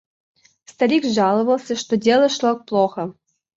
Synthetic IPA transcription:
st̪ɐɾʲikʐɑlˠə̆vəlˠsʲəʂt̪odʲelʲˠə̆ʂlˠək̚plˠoxə̆

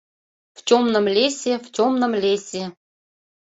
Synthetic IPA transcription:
ft͡ɕomnəmlʲesʲeft͡ɕʲomnəmlʲesʲe

